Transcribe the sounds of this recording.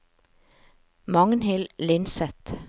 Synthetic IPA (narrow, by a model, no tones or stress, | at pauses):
mɑŋnhɪllɪnsɛt̪